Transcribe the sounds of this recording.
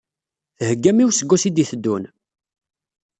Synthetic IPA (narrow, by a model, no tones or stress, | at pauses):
θəhəɡːæmiwsəɡʷːusid̪iθəd̪ːun